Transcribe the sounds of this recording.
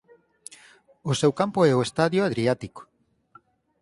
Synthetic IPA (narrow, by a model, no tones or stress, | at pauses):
ʊsewkampoɛoest̪aðjoaðɾiat̪iko̥